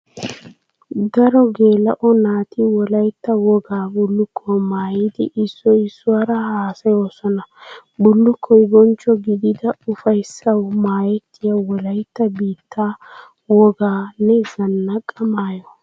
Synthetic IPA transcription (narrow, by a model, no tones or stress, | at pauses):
d̪ɐɾɔɡe̞ːlɐʔɔnaːt̪ɪwɔlɐjt̪ːɐwɔɡaːbʊlːʊkʰːɔmaːjɪd̪ɪʔɪsːɔɪsːʊwaɾɐhaːsɐjo̞ːsɔnɐbʊlːʊkʰːɔjɪbɔnt͡ʃːɔɡɪd̪ɪd̪ɐʊfɐjsːɐwmaːjɛt̪ʰːɪjawɔlɐjt̪ːɐbiːt̪ʰːaː | wɔɡaːnɛɡɐnːɐkʼːɐmaːjɔ